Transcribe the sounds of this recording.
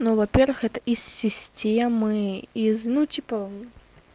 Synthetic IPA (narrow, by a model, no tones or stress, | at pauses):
nuvɐpʲervɨxɛt̪əʔisːʲɪsʲtʲemɨiznutʲipə